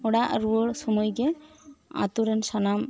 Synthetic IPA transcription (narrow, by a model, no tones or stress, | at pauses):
ɔɽaʔɾuoɽsɔmɔjɡɛ | a̰t̪uɾɛnsanam